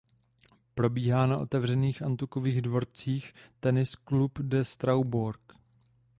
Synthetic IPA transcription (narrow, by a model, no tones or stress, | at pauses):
pɾo̞biːɦaːnaʔo̞̰t̪ɛvr̝ɛniːxʔant̪ukoviːɣdvo̞ɾt͡siːxt̪ɛnɪsklupdɛst̪ɾawbuɾk